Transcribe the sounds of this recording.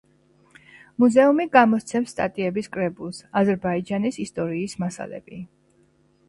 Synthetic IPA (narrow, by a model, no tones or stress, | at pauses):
muzɛumiɡamɔt̪sʰɛmsːt̪ʼa̰t̪ʼiɛbiskʼɾɛbulˠsazɛɾbaid͡ʒanisist̪ʼɔɾiːsmasa̰lɛ̰bi